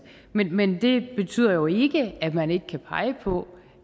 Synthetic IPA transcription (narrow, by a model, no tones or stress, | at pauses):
menmend̥e̝b̥e̝t͡sʰy̰ːð̰ˠɐjo̝e̝ɡ̥əæ̥mæne̝ɡ̥əkʰæpʰɑ̈ɪəpʰɔ̽